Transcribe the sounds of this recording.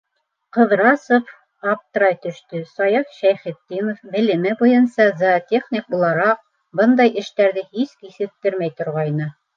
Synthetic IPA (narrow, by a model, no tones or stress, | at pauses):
qɤ̆ðɾɑsof | ɑp̚t̪ɤɾɑjt̪ɵ̆ʃt̪ɵsɑjɑfʃæjχɘ̆t̪ːinofbɘ̆lɘ̆mɘbujɤnsɑzɑt̪ʲeχnʲik̚bulˠɑɾɑq̚ | bɤnd̪ɑjɘ̆ʃt̪æɾðɘhiskisɘ̆k̚t̪ɘɾmæjt̪ŏɾʁɑjnɤ